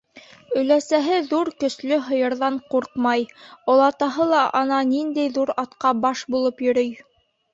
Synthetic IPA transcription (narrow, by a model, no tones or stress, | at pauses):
ɵ̆læsæɦɘðuɾkɵ̆slɵɦɤ̆jɤ̆ɾðɑɴquɾqmɑjŏlˠɑt̪ɑɦɤlˠɑʔɑnɑnind̪æjðuɾɑt̪qɑbɑʃbulˠɤpjɵ̆ɾɵj